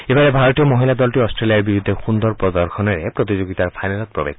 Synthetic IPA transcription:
ebaɾebʱaɾɔt̪iɔmɔɦilad̪ɔlʈiɔsʈɾeliaɾbiɾud̪ʱexund̪ɔɾpɾɔd̪ɔɾxɔnɔɾepɾot̪id͡ʒoɡit̪aɾpʰajnalɔt̪̚pɾɔ̰bḛk

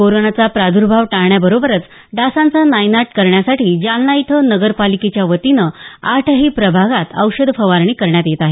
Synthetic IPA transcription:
koɾonat͡sapɾad̪ʱuɾbʱaʋʈaɳjabəɾobəɾət͡s | ɖasãnt͡sanajnaʈkəɾɳjasaʈiːd͡ʑalnajt̪ʰənəɡəɾpaliket͡ɕjaʋət̪inəaʈʰəɦiːpɾəbʱaɡat̪əwɕəd̪ʱfəʋaɾɳ̃iːkəɾɳjat̪jet̪aɦe

